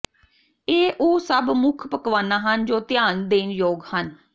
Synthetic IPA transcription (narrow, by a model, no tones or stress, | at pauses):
eːʔoːsəbmʊkʰpəkʋaːnaːɦənd͡ʒoːt̪ɪjaːnd̪eːnjoːɡhən